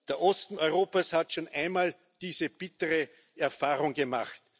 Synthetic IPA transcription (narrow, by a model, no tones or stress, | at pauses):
d̪̥eɐʔɔstn̩ɔʏʁoːpashatʃoːnʔæɪnmaːl | d̥iːzəb̥ɪtəʁə | ɛɐfaːʁʊŋɡəma̰χt